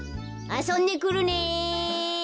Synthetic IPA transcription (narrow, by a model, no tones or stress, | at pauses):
asonːikuɾune